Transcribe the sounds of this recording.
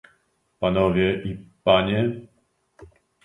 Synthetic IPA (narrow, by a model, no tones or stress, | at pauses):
panɔvʲjɛʔipaɲɛ